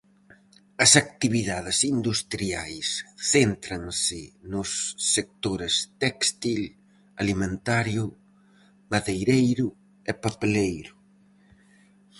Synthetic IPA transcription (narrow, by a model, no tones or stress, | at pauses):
ɐsak̚t̪iβiðaðɪsind̪ust̪ɾiajsθent̪ɾɐŋsɪnʊsːek̚t̪oɾɪst̪ɛkst̪il | alimẽnt̪aɾjʊ | maðejɾejɾʊ | ɛpapelejɾʊ